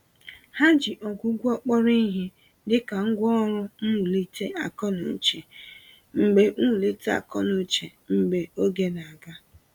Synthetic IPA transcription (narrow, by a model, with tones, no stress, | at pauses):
ha˦d͡ʒi˨ʔɔ˨ɡʷu˨˦ɡʷu˦ɔ˦k͡pɔ˦ɾi˦ɦi˦ | dɪ˦ka˨ŋ̩˦ɡʷɔ˦ɾʊ˦n̩˦˨li˦tʰe˦a˨kɔ˦nʊ̰˨n̩˦t͡ʃe˨ | ŋ͡m̩˨ɡ͡be˨nu˦u˨le˦te˦a̰˨kɔ˦nʊ˨˦t͡ʃe˨ | ŋ͡m̩˨ɡ͡be˨o˦ɡe˦na˨a˨ɡa˦